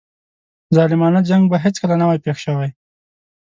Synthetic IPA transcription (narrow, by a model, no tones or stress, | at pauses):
zɑlɪmɑnad͡ʒaŋɡbaɦet͡skəlanawajpexʃawaj